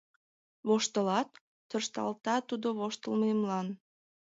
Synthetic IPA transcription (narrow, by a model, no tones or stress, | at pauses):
βoʃt̪əlɑt̪̚ː | ərʃt̪ɑ̰lt̪ɑt̪ud̪oβoʃt̪əlməmlɑn